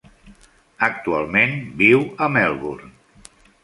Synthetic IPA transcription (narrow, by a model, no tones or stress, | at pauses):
ək̚t̪ua̰lˠmenbiwəmɛlˠβuɾn